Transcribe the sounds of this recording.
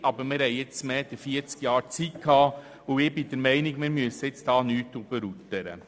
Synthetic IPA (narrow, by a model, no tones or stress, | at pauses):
ʔɑbəɾmɪɾhɛɪɪt͡smɛːd̥̪əfiəɾt͡skjɑːɾt͡sitkʰɑː | ʊɪbid̥̪əɾmɛɪnɪɡmɪɾmyəsəɪt͡sd̥ɑːnyːt̪ːub̥əɾut̪əɾə̰